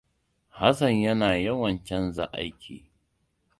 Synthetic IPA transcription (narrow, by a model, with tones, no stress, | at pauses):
ha˦sɐ˨ɲjɐ˦naː˨jɐ˦wɐ˨nt͡ʃɐ˦nza˨ʔa˦jkʲḭː˨